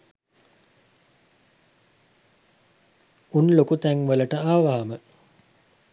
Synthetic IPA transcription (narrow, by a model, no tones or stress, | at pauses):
unlokut̪ɛŋʋələʈəaːʋaɦmə